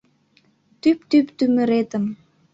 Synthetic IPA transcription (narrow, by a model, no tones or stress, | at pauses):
t̪ypt̪ypt̪ymə̆ɾet̪ə̆m